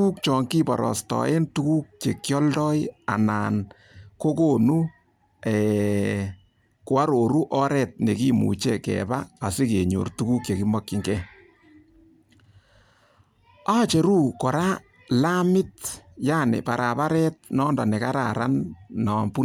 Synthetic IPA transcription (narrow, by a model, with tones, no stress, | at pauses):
u˦k̚t͡ʃɔː˨ŋki˦bɔ˨ɾɔ̰˨stɔ̰˨ʔe˦ntu˦ku˦k̚t͡ʃe˨kjɔ˦ldɔ˦ɪa˨naːn | ko˦ko˦nu˦ | ɛː˨ | kwa˦ɾo˨ɾu˦ʔɔ˦ɾɛ˨t̚ne˨ki˦mṵ˨t͡ʃekɛ̰ba˦a˨sɪ˦ke˨ɲo̰˨rtu˦ku˦k̚t͡ʃe˨ki˦ma˦kːɪ˨ŋɡɛ˦ | a˦t͡ʃe˨ɾu˦kɔ˨ɾa˦ | la˦mɪ˦tjaː˦nɪ̰˨pa˨ɾʔa˨pa˦ɾɛ˦t̚nɔ˦ndɔ˨nɛ˨ka˦ɾa̰ɾanːɔ˨mpu˦